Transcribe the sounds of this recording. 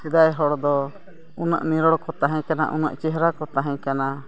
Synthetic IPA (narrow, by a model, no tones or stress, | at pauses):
sid̪ajɦɔɽd̪ɔ | una̰ʔniɾɔɽkɔt̪aɦɛ̃kana̰ʔṵna̰ʔt͡ʃɛɦɾakɔt̪aɦɛ̃kana